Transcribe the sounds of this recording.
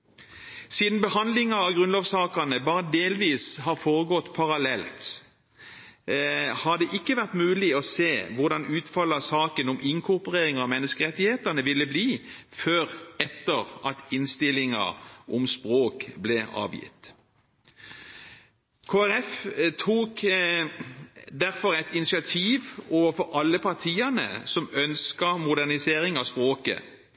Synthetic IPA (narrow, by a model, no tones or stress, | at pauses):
siːd̪n̩bəhɑnd̪lɪŋɑɑɡʁʉnloːʋsɑːkɑnəbɑːʁəd̪eːlʋiːshɑʁfoːʁəɡɔt̪ːpʰɑʁɑlɛlt̪ | hɑd̪ɛʔɪkːəʋæʁt̪mʉːlɪɔseːʋʊʁd̪ɑnʉːt̪fɑlːɑsɑːkənɔmʔɪŋkʰʊʁpɔʁeːʁɪŋɑʋmɛnːəskəʁɛt̪ːɪheːt̪əʁnəʋɪlːəbliː | føːʁɛt̪ːəʁɑt̪ɪnst̪ɪlɪŋɑ̰ʔɔmspʁoːkblɛɑ̰ːʋjɪ̰t̪ | kʰoːæʁɛft̪ʰuːk | d̪æʁfɔɾɛɪt̪ɪnɪsɪɑt̪ʰiːʋoːʋəfɔɾɑlːəpʰɑʁt̪ʰiːənə̰sɔmœnskəmʊd̪æʁnɪseːɾɪŋɑspʁoːkə̰